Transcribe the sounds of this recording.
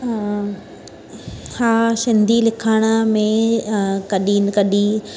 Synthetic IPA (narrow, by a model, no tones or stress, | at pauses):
haːʃɪ̃nd̪ilɪkʰaːɽ̃əmẽ | kɐɗiːnɪkɐɗi